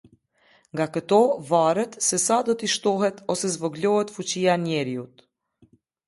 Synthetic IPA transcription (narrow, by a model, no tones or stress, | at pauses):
ŋɡakət̪ɔvaɾɛt̪sɛsad̪ɔt̪iʃt̪ɔɦɛt̪ɔsɛzvɔɡlɔhɛt̪fut͡ɕianɛɾjut̪